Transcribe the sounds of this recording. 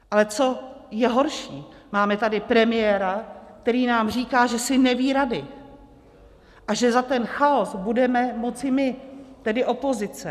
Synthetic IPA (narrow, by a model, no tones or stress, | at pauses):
ʔalɛt͡so̞jɛɦo̞ɾʃiːmaːmɛt̪adɪpɾɛmɪjɛːɾak̚t̪ɛɾiːnaːmriːkaːʒɛsɪnɛviːɾadɪ | ʔaʒɛzat̪ɛnxaosbudɛmɛmo̞t͡sɪmɪt̪ɛdɪʔo̞po̞zɪt͡sɛ